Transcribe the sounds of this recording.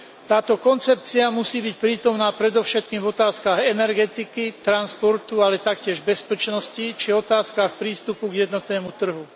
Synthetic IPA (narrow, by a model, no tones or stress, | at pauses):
t̪aːt̪ɔkɔnt͡sɛp̚t͡siamusiːbicpɾiːt̪ɔmnaːpɾɛd̪ɔʊʃɛt̪̚kiːmvɔt̪aːskaɣɛnɛɾɡɛt̪ikit̪ɾanspɔɾt̪ualɛt̪akcɪɛʒbɛspɛt͡ʃnɔscit͡ʃiɔt̪aːskaxpɾiːst̪upuɡjɛd̪nɔt̪nɛːmut̪r̩ɦu